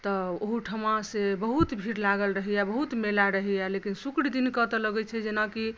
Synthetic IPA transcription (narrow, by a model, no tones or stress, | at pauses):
t̪ɔoɦuʈʰəmãsebəɦut̪bʱiɾlaɡəlɾəɦijabəɦut̪melaɾəɦijalekinsukɽd̪inkət̪ələɡɛt͡ʃʰɛd͡ʒenaki